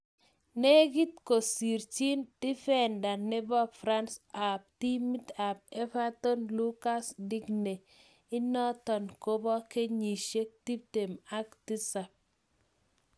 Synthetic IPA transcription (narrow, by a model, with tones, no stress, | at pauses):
ne˦ɡi˦t̪ko˨si˨ɾt͡ʃi˦ntɪ˦fɛ˦˨nda˨nːe˦bɔ˦bfɾa˦nsa˨p̚ti˦mi˦ta˨p̚e˦fa˦to˦nlu˦ka˦sdi˦ɡne˨ | ɪ˦nɔ˦tɔ˨nko˦bɔ˦ke˦ɲi˨ʃe˦k̚ti˦p̚te˨ma˦kti˦sa˨p̚